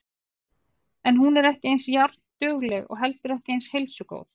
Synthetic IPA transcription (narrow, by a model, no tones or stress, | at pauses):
ɛnɦunɛɾɛhcɪejnsjaɾt̪t̪ʏːɣlɛɣɔ̰ɣɦɛlt̪ʏɾɛhcɪejnshelsʏko̰ːwð